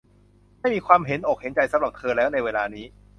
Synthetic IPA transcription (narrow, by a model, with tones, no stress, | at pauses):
ma˥˩jmiː˧kʰwaː˧mɦe˩˦nʔoː˨˩k̚he˩˦nt͡ɕa˧jsa˦˥wla˨˩p̚t̪ʰɤː˧lɛː˦˥wna˧jweː˧laː˧niː˦˥